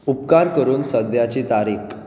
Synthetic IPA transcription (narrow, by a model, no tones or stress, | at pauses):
upkaɾkəɾuːnsəd̪ʱjat͡ɕit̪aɾik